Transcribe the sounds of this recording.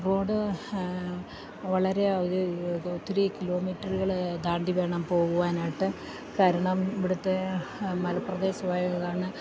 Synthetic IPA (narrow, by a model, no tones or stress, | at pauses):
ro̞ːɽɨ | ʋɐɭɐɾe̞oðɨt̪ːriːkilo̞ːmiːtːɐɾuɣɐɭd̪aːɳɖiʋe̞ːɳɐmpo̞ːɣuʋaːnaːjʈːɨ | kaːɾɐɳɐmiʋiɽut̪ːemɐlɐpːrɐd̪e̞ːɕɐmaːjɐɣɐɣaːɳɨ